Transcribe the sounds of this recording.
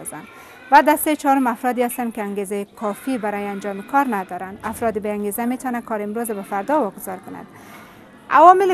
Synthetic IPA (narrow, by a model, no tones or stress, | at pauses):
zan | vad̪ast̪at͡ʃɒɾʊmafɾɔd̪ɪast̪ankɪaŋɡezajkʰɒfibaɾɔjɪand͡ʒɒmɪkʰɒɾnad̪ɒɾand̪afɾɔd̪ɪbeaŋɡezamet̪ɒnakʰɒɾɪmɾozabafaɾd̪ɔwɒɡʊzɒɾkʊna̰d̪̥ | a̰wɒmɪl